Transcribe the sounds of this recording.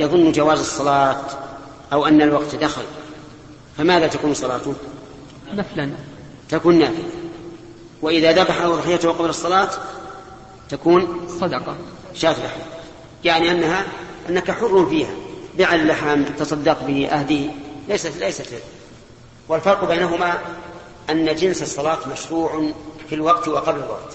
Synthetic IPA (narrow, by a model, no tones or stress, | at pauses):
jɑðˤʊnːd͡ʒawaːzɨsˤːɑlɑːt̪ | ʔawʔanːalwɑɡt̪d̪axɪl | famaːðat̪akuːnsˤɑlɑːt̪ʊ | naflan | t̪akuːnːaːfɪla | wɪʔɪðaðabaħaɑðˤħɪjːat̪qɑblɑsˤːɑlɑːt̪ː | akuːnsˤɑd̪ɑqɑ | ʃaːt̪lʔaħjaː | jaʕniʔanːaɦaʔanːakaħʊrːʊnfiːha̰bɪʕallːaħamt̪ɑsˤɑd̪ːɑqbɪhʔa̰hd̪ɪhlajsalajsat̪ | wɪlfɑɾˤqbajnaɦʊma | ʔanːad͡ʒɪnsɑsˤːɑlɑːt̪maʃɾuːʕfilwɑɡt̪wɪqɑblalwɑ̰qt̪